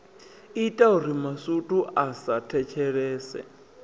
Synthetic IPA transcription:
itʼauɾimasutʼuʔasatʰɛt͡ʃʰɛɺɛːsɛ̰

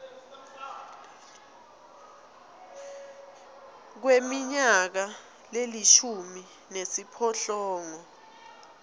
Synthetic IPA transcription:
k̬wemiɲak̬a | leliʃumi | nesipʰɔɬɔːŋɔ

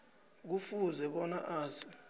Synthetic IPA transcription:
k̬ufuzɛɓɔnaʔaːzi

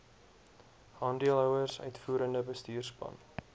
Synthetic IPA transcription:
hɑːndiəlˠɦœwərsœ̰ɥtfuːɾəndəbəstyːrspɐ̰n

